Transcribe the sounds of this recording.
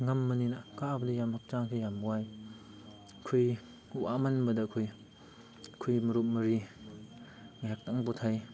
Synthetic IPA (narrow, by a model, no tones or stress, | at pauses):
ŋamːɐninakabɐdijamhak̚t͡ʃaŋkʰijamuwaj | kʰuj | uʔamanbɐdɐkʰoj | kʰujmɐɾut̚mɐɾi | ŋajɦak̚taŋbɔtʰaj